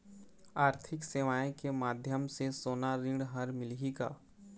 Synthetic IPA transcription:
aːɾt̪ʰɪkseːʋaːẽkemaːd̪ʱjəmsesoːnaɾɪ̃ɽɦɐɾmɪlɦika̰ː

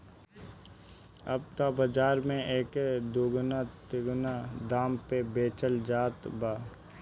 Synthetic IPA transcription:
ɐ̰b̚t̪abəd͡ʒaːɾmẽeːked̪oːɡʊnat̪eɡʊnad̪aːmpebeːt͡ʃəld͡ʒaːt̪baː

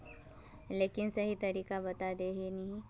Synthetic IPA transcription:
leːkɪnsɐɦit̪ɐɾiːkabɐt̪ad̪eɦenɐɦĩ

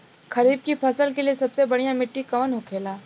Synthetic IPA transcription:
kɐɾiːb̚kipʰɐsəlkeliesɐbsebɐɽijãmɪʈːikɐʋənɦokʰeːlaː

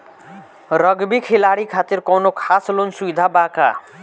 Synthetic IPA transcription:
ɾɔɡbikʰelaɽikʰat̪iɾkɔnokʰaslonsuid̪ʱabaka̰

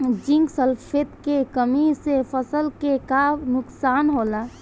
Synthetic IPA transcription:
d͡ʒĩŋɡsəlpʰet̪kekəmisepʰəsəlkekanʊksaːnɦoːla

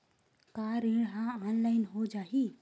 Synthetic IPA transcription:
kaɾĩɽɦãanlaɪnɦod͡ʒaːɦi

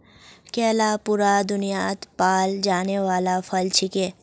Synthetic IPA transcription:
kɛːlapʊːɾad̪ʊnijaːt̪paːld͡ʒaːneʋaːlafʰɐlt͡ʃʰɪkeː

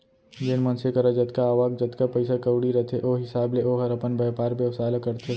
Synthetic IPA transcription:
d͡ʒenmɐ̃nsekɐɾad͡ʒɐt̪kaaːʋaːɡ̚d͡ʒɐt̪kapɐɪsakɐwɽiɾɐt̪ʰeʔoːɦɪsaːbleʔoɦɐɾɐpənbɛːpaːɾbjɐʋsaːlakəɾt̪ʰe

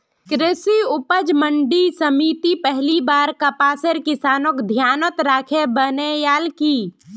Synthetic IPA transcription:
kɾɪsiʊpəd͡ʒməɳɖisəmiːt̪ipɛɦlibaːɾkəpaːsəɾkɪsaːnokd̪ʱjaːnət̪ɾaːkʰebənejaːlkiː

